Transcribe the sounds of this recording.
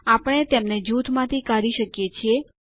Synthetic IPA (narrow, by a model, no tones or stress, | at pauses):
apəɽ̃et̪emned͡ʒut̪ʰmãt̪ʰikaɾiʃəkjet͡ʃʰie